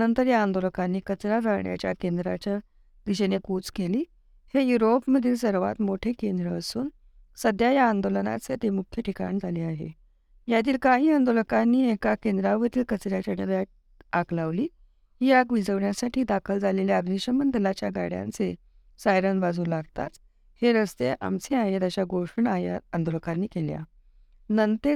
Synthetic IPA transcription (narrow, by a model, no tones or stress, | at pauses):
nənt̪əɾjaːnd̪oləkanːiːkət͡sɾad͡zaɳja̰t͡ɕjakend̪ɾat͡ɕja | d̪iɕenekut͡skeliː | hejuɾopməd̪ʱiːlsəɾʋa̰t̪moʈʰekend̪ɾəːsuːn | səd̪jajaːnd̪oləna̰t͡set̪emukʰjəʈʰika̰ɳd͡zʱaliːaɦḛ | jat̪̬iːlkaɦiːand̪oləkanːiːekakend̪ɾaʋət̪iːlkət͡sɾjat͡ɕaɽəɾja | akʰlaʋliː | ɦijakʋid͡zəʋɳjasaʈʰiːd̪akʰəld͡zaleljaəd̪niɕəmənd̪əlat͡ɕjaɡa̰ɽja̰nt͡se | sajɾənbad͡zuːnlaɡt̪a̰t̪ | heɾəst̪eʔa̰mt͡seaɦet̪aɕjaɡoʂəɳaja̰ənd̪oləkanːiːkelja̰ | nənt̪e